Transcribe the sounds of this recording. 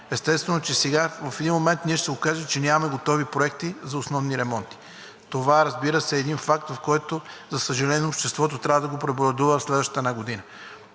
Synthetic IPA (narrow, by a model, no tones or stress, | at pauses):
ɛst̪ɛst̪vɛnot͡ʃɛsɛɡavɐfɛd̪inmomɛnt̪nʲiɛʃt̪ɛokaʒət͡ʃɛnʲamɐmɛɡot̪ɔvipɾoɛkt̪izɐosnɔvniɾɛmɔnt̪i̥ | t̪ovaɾɐzbiɾəsɛːd̪infakt̪vɐfkɔjt̪ozɐsəʒɐlɛnopʃt̪ɛst̪vɔt̪ot̪ɾʲavəd̪ɐɡopɾɛboɾɐd̪uvəfslɛd̪vəʃt̪ə̥t̪ənaɡod̪inə